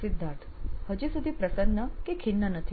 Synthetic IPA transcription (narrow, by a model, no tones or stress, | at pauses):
sid̪ʱːaɾt̪ʰhəd͡ʒisud̪ʱipɾəsənːəkekʰinːənət̪ʰi